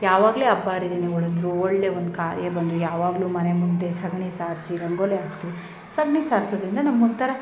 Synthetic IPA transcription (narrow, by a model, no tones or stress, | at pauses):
jaːʋaːɡleːɐbːaːɾid̪eniuɭɐnd̪ɾuoɭleond̪ukaːɾjɐbɐnd̪ujaːʋaːɡɐlumɐnemund̪e̞sɐɡɳisaːɾsiɾɐŋɡoːleaːɡt̪iʋi | sɐɡɳisaːɾsɐd̪ɐɾind̪ɐnɐmːont̪ʰɐɾɐ